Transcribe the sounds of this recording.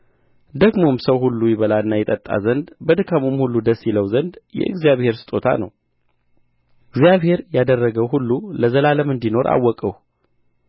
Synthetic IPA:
d̪əɡmo̞msəwhulːujɪβəlaɨnːajɛt̪ʼət̪ʼːa̰zənd̪bəd̪ɨkʰamumhulːud̪əsːjiləwzənd̪jɛ̰ʔɨ̰ɡzijaβhe̞ɾsɨ̥t̪ʼo̞t̪ʰa̰nəw | ɨɡzijaβhe̞ɾjad̪ərːəɡəwɦulːuləzəlaləmɨnd̪ino̞ɾʔa̰wːɔkʼəw

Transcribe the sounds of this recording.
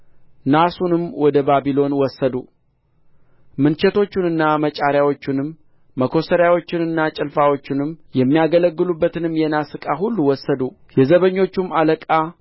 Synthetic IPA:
nasunɨmwɔd̪əbabilo̞nwɔsːəd̪u | mɨnt͡ʃɛt̪o̞t͡ʃːɪnɨnːamət͡ʃʼaɾjawo̞t͡ʃːɪnɨmː | əkʰo̞səɾjawo̞t͡ʃːɪnɨnːat͡ʃʼɪlfawo̞t͡ʃːɪnɨmjɛmːijaɡələɡːɨlubːət̪ɨnɨmjɛnasɨkʼaɦulːuwɔsːəd̪u | jɛzəβəɲːo̞t͡ʃːumːaləkʼa

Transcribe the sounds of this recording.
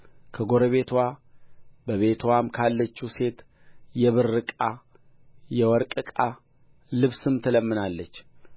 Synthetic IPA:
kʰəɡo̞ɾəβe̞t̪ʰwa | bəβe̞t̪ʰwamkʰalːət͡ʃːuse̞t̪ | jɛβɨɾːɨkʼa | jɛwɔɾkʼɨkʼa | lɨβsɨmt̪ʰələmːɨnalːət͡ʃː

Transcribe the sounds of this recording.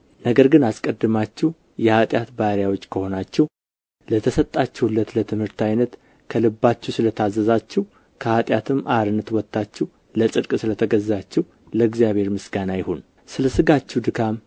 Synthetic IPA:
nəɡəɾɡɨnaskʼəd̪ːɨmat͡ʃːɛ | jɛhat̪ʼjat̪baɾjawo̞t͡ʃːkʰəho̞nat͡ʃːɛw | lət̪ʰəsət̪ʼːat͡ʃːɛwlːət̪lət̪ʰɨmhɨɾt̪ʰajnət̪ | kʰəlɨbːat͡ʃːɛwsɨlət̪ʰazːəzat͡ʃːɛw | kʰəhat̪ʼjat̪ʰɨmːʔaɾɨnːət̪wɔt̪ːat͡ʃːɛw | ləsʼɨd̪kʼsɨlət̪ʰəɡəzːat͡ʃːɛw | ləɡzjaβhe̞ɾmɨsɡanajɪho̞n | sɨləsɨɡat͡ʃːɛwd̪ɨkʰam

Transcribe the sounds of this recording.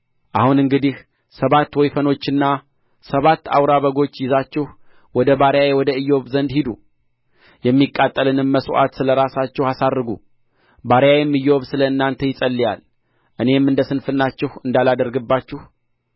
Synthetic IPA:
ʔahunɨŋɡɨd̪ih | səβat̪ːwɔjfəno̞t͡ʃːɨnːa | səβat̪ːa̰wɾaβəɡo̞t͡ʃːjɪzat͡ʃːɛh | wɔd̪əbaɾjajewɔd̪əɨjːo̞βzənd̪hid̪u | jɛmːikʼːat̪ʼːəlɨnɨmːəsʔa̰t̪sɨləɾasat͡ʃːɛhasad̪ːɨɡṵ | baɾjajɛmːɨjːo̞βsɨləɨnːant̪ʰəjɪsʼəlːija̰l | ʔɨne̞mɨnd̪əsɨnfɨnːat͡ʃːɛhɨnd̪alad̪əɾɡɨbːat͡ʃːɛh

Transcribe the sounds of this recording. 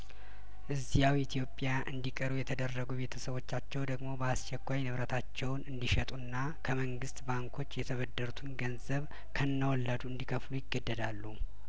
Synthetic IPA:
ʔɨzːijawit̪ʰijo̞pʼːjaʔɨ̰nd̪ikʼəɾujɛt̪ʰəd̪ərːəɡube̞t̪ʰəsəβo̞t͡ʃːat͡ʃːɛwd̪əɡmo̞bəast͡ʃɛkʷːajnɨβɾət̪ʰat͡ʃːɛwnɨnd̪iʃɛt̪ʼunːa | kʰəməŋɡɨst̪baŋkʰo̞t͡ʃːjɛt̪ʰəβəd̪ːəɾut̪ʰɨnɡənzəβ | kʰənːəwɔlːad̪uɨnd̪ikʰəflujɪɡːəd̪ːəd̪alːu

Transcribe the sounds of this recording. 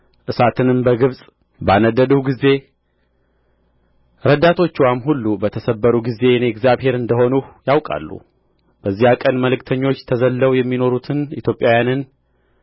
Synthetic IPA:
ʔɨsat̪ʰɨnɨmbəɡɨβsʼ | banəd̪ːəd̪əwɡize̞ | ɾəd̪at̪ʰo̞t͡ʃːwamhulːubət̪ʰəsəbːəɾuɡize̞neɛɡzjaβhe̞ɾɨnd̪əho̞nujawkʼa̰lːṵ | b̥əzːihakʼənməlɨkt̪ʰəɲːo̞t͡ʃːt̪ʰəzəlːəwjɛmːino̞ɾut̪ʰɨnḭt̪ʰjo̞pʼːjawjanɨn

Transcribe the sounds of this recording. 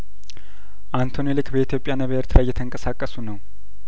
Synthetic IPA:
ʔant̪ʰo̞nelɨkbəit̪ʰjo̞pʼːjanəβəəɾt̪ʰɨlajːɛt̪ʰəŋkʼəsakʼːəsunəw

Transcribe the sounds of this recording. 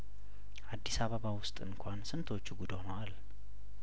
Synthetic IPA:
ʔad̪ːisaβəβawʊst̪ʼɨnkʷʰansɨnt̪ʰo̞t͡ʃːuɡud̪onəwal

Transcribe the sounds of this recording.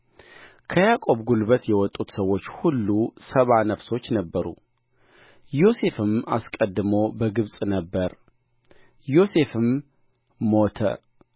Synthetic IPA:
kʰəjakʼo̞βɡulβət̪jɛwɔt̪ʼːut̪səwo̞t͡ʃːhulːusəβanəfso̞t͡ʃːnəbːəɾṵ | jo̞se̞fɨma̰skʼəd̪ːɨmobəɡɨβsʼnəbːəɾ | jo̞se̞fɨmː | o̞t̪ʰə̰

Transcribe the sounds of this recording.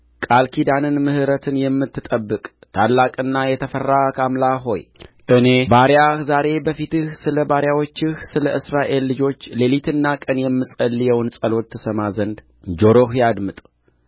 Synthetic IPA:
kʼalkʰid̪anɨnmɨhɨɾət̪ʰɨnjɛmːɨt̪ːɨt̪ʼəbːɨkʼt̪ʰalːakʼɨnːajɛt̪ʰəfərːakʰamlaɦo̞j | ʔɨne̞baɾjahzaɾe̞bəfit̪ɨhsɨləbaɾjawo̞t͡ʃːɨhsɨləʔɨsɾaʔe̞lːɨd͡ʒo̞t͡ʃːle̞lit̪ʰɨnːakʼənjɛmːɨsʼəlːjɛwnsʼəlo̞t̪ʰːɨsəmazənd̪ | d͡ʒo̞ɾo̞ɦjad̪mɨt̪ʼ

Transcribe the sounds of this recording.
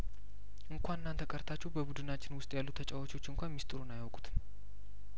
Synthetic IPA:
ʔɨŋkʰʷanɨnːant̪ʰəkʼəɾt̪ʰat͡ʃːuwbəbud̪ɨnat͡ʃːɪnwʊst̪ʼjalːut̪ʰət͡ʃʼawo̞t͡ʃo̞t͡ʃːɨŋkʷanmist̪ʼɨɾonajawkʼu̥t̪ʰɨ̥n

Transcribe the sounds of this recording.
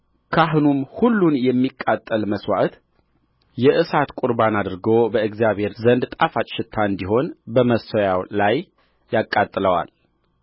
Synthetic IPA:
kʰaɦunumhulːunjɛmːikʼːat̪ʼːəlməswa̰ʔt̪ | jɛʔɨsat̪kʼuɾbanad̪ɨɾɡobəɨɡzjaβhe̞ɾzənd̪t̪ʼafat͡ʃʼʃɪt̪ʰːaɨnd̪iɦo̞nbəməsojawlajː | akʼːat̪ʼːləwa̰l

